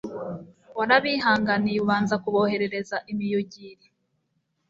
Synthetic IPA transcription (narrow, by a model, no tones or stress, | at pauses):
waɾaβihaːŋɡaniuβaːnzakuβohe̞ɾe̞ɾe̞zaʔimijuɟiːɾi